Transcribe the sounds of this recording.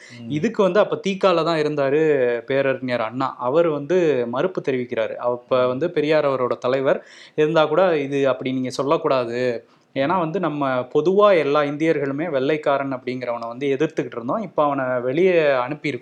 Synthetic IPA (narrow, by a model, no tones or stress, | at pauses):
ɪðɯkːɯʋɐnd̪ɯɐpːoːt̪iːkːaːlɐt̪ãːɪɾɯnd̪aːɾɯpeːɾɐɾnɪjaːɾɐɳːa̰ːʔɐʋɐɾʋɐnd̪ɯmɐɾɯpːɯt̪ɛɾɪʋɪkːɪɾaːɾɯ̰ʔɐpːoʋɐnd̪ɯpɛɾɪjaːɾɐʋɐɾoːɽɐt̪ɐlɐɪʋɐɾ | ɪɾɯnd̪aːkuːɽaɪðɯɐpːɐɽɪniːŋɡɐsɔlːɐkːuːɽaːðɯ | eːnːaːʋɐnd̪ɯnɐmːɐpɔðɯʋaːɛlːaːɪnd̪ɪjɐɾɣɐɭɯmeːʋɛɭːɐɪkːaːɾɐɳɐpːɐɽɪŋɡɪɾɐʋɐnɐʋɐnd̪ɯɛðɪɾt̪ɯkːɪʈːɪɾɯnd̪õːɪpːoːɐʋɐnɐʋɛɭɪjɐɐɳɯpːɪjɪɾɯkːɯ̃